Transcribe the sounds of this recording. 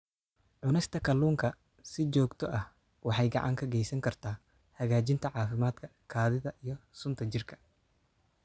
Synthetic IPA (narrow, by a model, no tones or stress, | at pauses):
ʕʊnɛɪst̪ʰɐkʰɐluːŋkʰɐ | sɪt͡ʃɔːɡt̪ʰɔʔɐh | wɑħɑjɡɑ̰ʕɑ̰ŋkʰɐɡɛjsɐŋkʰɐrt̪ʰaː | hɐɣaːt͡ʃɪnt̪ʰɐʕɑːfɪmaːd̪kʰɐkʰaːðɪðɐʔijɞsʊnt̪ʰɐt͡ʃɪrkʰɐ̥